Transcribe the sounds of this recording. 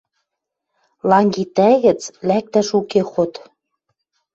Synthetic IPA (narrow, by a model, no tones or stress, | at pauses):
lɑŋɡit̪æɣə̆t͡slæk̚t̪æʃukexot̪